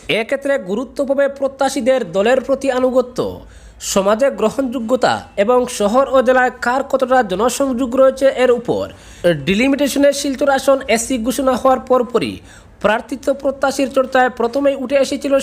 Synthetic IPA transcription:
ekʰet̪ːɾeɡuɾut̪ːobʱabepɾot̪ːaʃid̪eɾd̪ɔleɾpɾot̪ianuɡot̪ːo̰ | ʃɔmad͡ʑeɡɾoɦond͡ʑuɡːot̪a̰eboŋʃɔɦoɾod͡ʑelaekaɾkʰɔt̪oʈad͡ʑɔnoʃɔŋd͡ʑoɡɾojet͡ɕʰeʔeɾupo̰ɾ | ɖilimiʈeʃoneɾʃilt̪oɾaʃonesiɡʱuʃonaɦɔoaɾpɔɾpoɾḭ | pɾaɾt̪it̪ːopɾot̪ːaʃiɾt͡ɕɔɾt͡ɕaepɾot̪ʰomejuʈʰeeʃet͡ɕʰilo

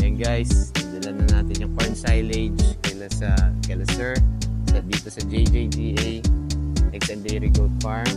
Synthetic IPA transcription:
jɐŋɡajsd̪ɐlanɐnaːt̪ɪnjʊŋkaɹnsajlɛd͡ʒkɐlasɐkɛlɐsɛɹsɐd̪iːt̪osɐd͡ʒejd͡ʒejd͡ʒiːʔejnɛɡsɐnd̪ejɾɪɡold̪̚faɹm

